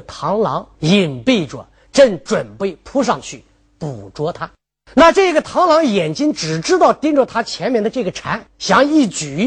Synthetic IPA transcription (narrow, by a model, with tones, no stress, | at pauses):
t̪ʰɑ˧˥ŋlɑ̰˧˥ŋi˨˩npi˥˩ɪʈ͡ʂwa̰˨˧˩n | ʈ͡ʂə˥˩ŋʈ͡ʂwə˨˩npe˥˩ɪpʰu˥ʂ̬ɑ˥˧ŋt͡ɕʰy˥˩ | pu˨˩ʈ͡ʂwɔ˧˥t̪ʰa˥ | na˥˧ʈ͡ʂɤ˥˩ɡə˩t̪ʰɑ˧˥ŋlɑ˧˥ŋjɛ˨˩nt͡ɕi˥nʈ͡ʂɻ̩˨˩ʈ͡ʂɻ̩˥t̪ɑ˥˩ʊt̪i˥ŋʈ͡ʂə˥˧t̪ʰa˥t͡ɕʰjɛ˧˥nmjɛ˥˩nd̪ə˧ʈ͡ʂɤ˥˩ɡə˩ʈ͡ʂʰa˧˥nɕjɑ˧˥ŋi˥˩t͡ɕy˨˩˥